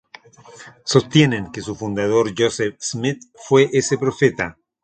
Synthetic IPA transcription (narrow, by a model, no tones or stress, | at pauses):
sost̪jenẽŋkesufund̪að̞oɾʝosefsmit̪̚fweʔesepɾofet̪a